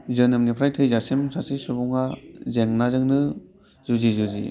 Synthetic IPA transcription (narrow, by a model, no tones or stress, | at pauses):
zɯnɯmnipʰɾajtʰɯjzasemsasisubuŋazeŋnazɯŋnɯ | zuzizuzḭ